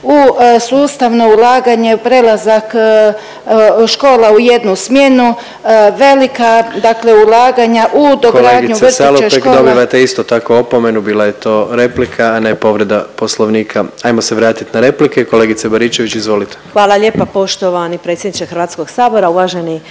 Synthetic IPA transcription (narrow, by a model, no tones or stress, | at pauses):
usuːst̪aʋno̞ulˠaːɡaɲe̞pɾe̞lazak | ʃko̞ːlauje̞d̪nusmje̞nu | ʋe̞likad̪akle̞ulaːɡaɲaʔud̪okɡlɾaːɡɲusaleekod̪obiʋat̪eist̪ot̪akoopome̞nubiːlˠaje̞t̪o̞ːɾe̞plikʰaːnepo̞ʋɾe̞d̪apo̞slˠoʋniːkʰaajmose̞ʋɾaːt̪it̪naɾe̞plikeko̞le̞ɡit̪sebaɾit͡ʃe̞ʋit͡ɕizʋo̞lit̪e̥xʋaːlˠaʎeːpapo̞ʃt̪oʋanipɾet̪sʲjed̪nit͡ʃexɾʋaːt̪skoɡ̥saːboɾauʋaːʒeni